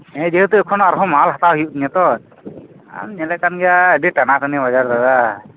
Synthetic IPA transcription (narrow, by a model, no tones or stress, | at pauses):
ɛ̃d͡ʒɛɦut̪uɛkʰɔnaɾɦɔmaalɦat̪aɦujuʔt̪iɲɛt̪ɔ | a̰mɲɛlɛʔkanɡɛjaəɖiʈanakanɛbad͡ʒaɾd̪ad̪a